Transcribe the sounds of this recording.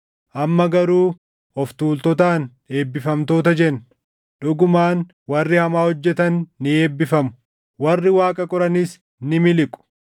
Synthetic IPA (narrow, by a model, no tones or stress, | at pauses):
ʔɐmːɐɡɐɾuː | ɔft̪uːlt̪ɔt̪aːn | e̞ːbːɪfɐmt̪o̞ːt̪ɐd͡ʒɛnː | ᶑʊɡʊmaːn | wɐrːɪhɐmaːhɔd͡ʒːɛt̪ɐnːɪe̞ːbːɪfɐmʊ̥ | wɐrːɪwaːkʼɐkʼɔɾɐnɪs | nɪmɪlɪkʼʊ̥